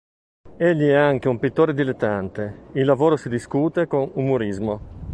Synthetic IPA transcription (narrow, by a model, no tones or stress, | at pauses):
eʎːiɛaŋk̟eumpit̪ːoːɾed̪ilet̪ːant̪eilːavoːɾosid̪iskuːt̪ekonumuɾizmo